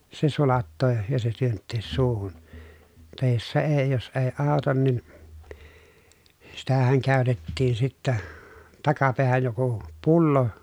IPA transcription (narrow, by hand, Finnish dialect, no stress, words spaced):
se sulɑtːoː jɑ se tyøntːeːs suːhun tɑˑe jos se eˑi jos eˑi ɑˑu̞tɑn nin sitæhæŋ kæˑy̞tetːiːn sitːæ tɑkɑpeæhæj joku pulːo